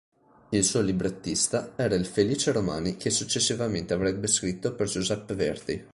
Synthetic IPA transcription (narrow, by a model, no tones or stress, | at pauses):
ilsuolibɾet̪ːist̪aɛːɾailfeliːt͡ʃeɾomaːnikʰesut͡ʃːesːivament̪eavɾɛbːeskɾit̪ːoperd͡ʒuzɛpːevɛrd̪i